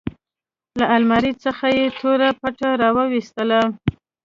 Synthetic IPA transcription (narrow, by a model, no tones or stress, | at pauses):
laʔalmaɾit͡səxajet̪ʰoɾapaʈaɾɑwəwist̪əla